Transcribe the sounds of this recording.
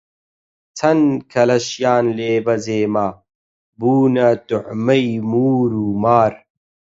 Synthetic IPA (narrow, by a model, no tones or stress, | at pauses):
t͡sʰɐnkʰɐlɐɕjaːnleːbɐzeːmaː | buːnat̪uʕmɐjmuːɾuːmaːɾ